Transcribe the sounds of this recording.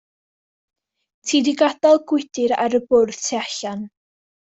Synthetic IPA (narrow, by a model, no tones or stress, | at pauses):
tʰiːdiɡadɔlˠɡwɪd̥ɪɾa̰ɾəbʊrð̥tʰeaɬan